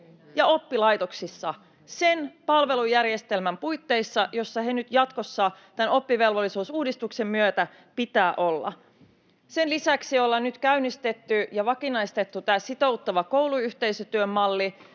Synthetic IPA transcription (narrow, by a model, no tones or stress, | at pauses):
jɑo̞pːilɑjt̪oksisːɑ | senpɑlʋe̞lujærjest̪e̞lmæmpujt̪ːe̞isːɑjo̞sːɑhenyt̪jɑt̪ko̞sːɑː | t̪æno̞pːiʋe̞lʋolːisuːsuːdist̪ukse̞mːyøt̪æ | pit̪æːʔo̞lːɑ̰ | se̞nlisæksiolːɑnnyt̪kæynːist̪e̞t̪ːyjɑʋɑkinɑist̪e̞t̪ːut̪æːsit̪o̞wt̪ːɑʋɑko̞wluyçt̪e̞jsøt̪yømːɑlːi